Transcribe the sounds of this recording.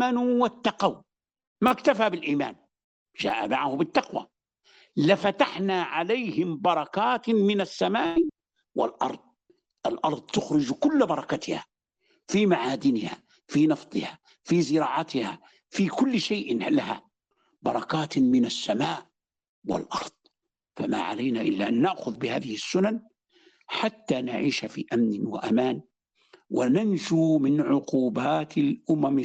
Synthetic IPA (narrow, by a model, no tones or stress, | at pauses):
anuwat̪ːɑqaw | makt̪afabɪlʔiːma̰ːn | ʒa̰ːʔa̰ma̰ʕahʊbɪt̪ːɑqwa̰ | lɪfat̪aħnaʕalajhɪmbɑɾˤɑkaːt̪mɪnasːamaːʔ | wɪ̰lʔɑ̰ɾˤd̪̚ˤ | ʔɪlʔɑɾˤd̪ˤt̪ʊxɾʊd͡ʒkʊlːbɑɾˤɑkat̪ɪha̰ | fimaʕaːd̪ɪnɪha̰ | finɑft̪ˤɨ̰ha | fizɪɾɑːʕat̪ɪha | fikʊlːʃajʔlaha̰ | bɑɾˤɑkaːt̪mɪnasːamaːʔ | wɪ̰lʔɑ̰ɾˤd̪̥ˤ | fama̰ʕa̰lajnaʔɪlːaʔanːaʔxʊðbɪha̰ːðɪhɪsːʊnan | ħat̪ːanaʕiːʃafḭʔamnɪwa̰ʔamaːn | wɪnanʃumɪnʕʊquːbaːt̪ɪlʔʊmam